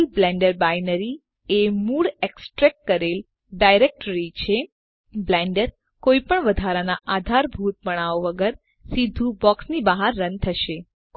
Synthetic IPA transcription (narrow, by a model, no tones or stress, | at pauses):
lblɛ̃ɳɖəɾbajnəɾi | emuɭeksʈɾɛkːəɾel | ɖajɾek̚ʈəɾit͡ʃʰe | blɛ̃ɳɖəɾ | koipəɳʋəd̪ʱaɾanaʔad̪ʱaɾbʱut̪̚bəɳ̃aoʋəɡəɾ | sid̪ʱũbɔksnibaɦaɾːənt̪ʰəʃe | k